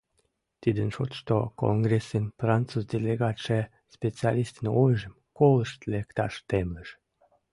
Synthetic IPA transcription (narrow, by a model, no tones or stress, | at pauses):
t̪id̪ənʃot̪ʃt̪oko̰nɡresinfrɑnt͡suzd̪eleɣɑt̪ʃe | spet͡siɑlist̪inojʒəmkoləʃt̪lekt̪ɑʃt̪emləʃ